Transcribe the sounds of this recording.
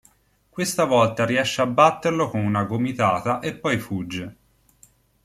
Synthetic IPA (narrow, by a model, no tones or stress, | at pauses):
kwest̪avɔlt̪aɾiɛʃːeabːat̪ːerlokonunaɡomit̪aːt̪aʔepːɔjfud͡ʒːe